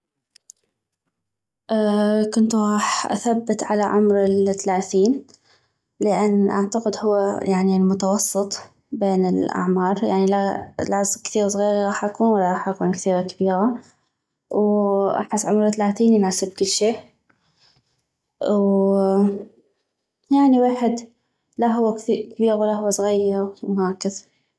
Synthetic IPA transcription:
ʔaːkʊnt̪ɣˤɑːħʔa̰θabːɪt̪ʕalaʕʊmɾɪlθalaːθiːn | lɪʔanːʔaʕt̪aqɪd̪hʊwːajaʕnilmʊt̪ɑwɑsˤːɨt̪ˤ | beːnɪlʔa̰ʕmɑːɾˤjaʕnilalʕzˤkθiːɣsˤɣiːɾiɣɑːħʔakuːnwɪlːaɾɣˤɑːħʔakuːnkθiːɾakɪbiːɾa | wʔa̰bħasːʕʊmɾˤt̪alaːθiːnnaːsɪb̚kɪlʃeːʔ | w | jaʕniweːħɪd̪ | laɦʊwːakθiːkabiːɣwalːahʊwːasˤɣajːɑɾmhaːkːɪθ

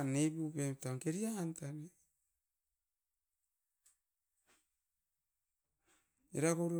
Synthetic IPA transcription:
nebupetaŋkeɾiaːntane | iɾakoɾ

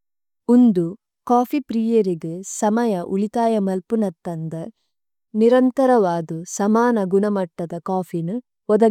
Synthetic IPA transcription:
und̪u | kaːpʰipɾiːjɐɾiɡɯsɐmɐjɐʔuɭit̪aːjɐmɐlpunɐt̪ːɐnd̪ɐ | niɾɐnt̪ɐɾɐʋaːd̪usɐmaːnɐɡunɐmɐʈːɐd̪ɐkaːpʰinu | ɔd̪ɐ

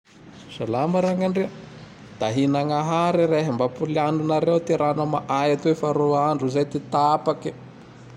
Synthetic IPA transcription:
salamaɾaŋaɳɖ͡ʐe | d̪̥aɦinaŋaɦaɾiɾeɦambapulaɳɖ͡ʐunaɾewt̪eɾanamaʔajat̪oefaɾoaɳɖ͡ʐuzajt̪et̪aapaki̥

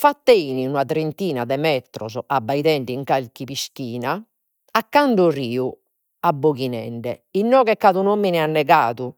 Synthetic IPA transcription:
fat̪ːeiniunat̪ɾent̪iːnad̪ɛmɛt̪ɾɔ̰zɔʔabːaiðɛɳɖiŋkalkipiskiːna | akːaɳɖuriːu | abːoɣinɛ̰ɳɖɛ̰inːɔːɣɛkːaðunomːinianːɛɣaːðu

